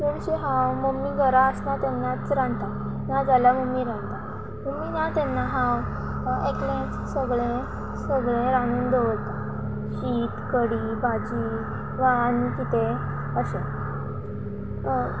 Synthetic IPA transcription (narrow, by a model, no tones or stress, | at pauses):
məɽɕiɦãwməmːiɡəɾaəsnat̪ɛnːat͡sɾãnt̪a | nad͡zalaməmːiɾãnt̪a | məmːinat̪ɛnːaɦãw | eklẽt͡ssəɡɭẽ | səɡɭẽɾãnuːnd̪oʋəlt̪a | ɕiːt̪kəɽiːbʱad͡ʑiː | ʋanikit̪e | əɕe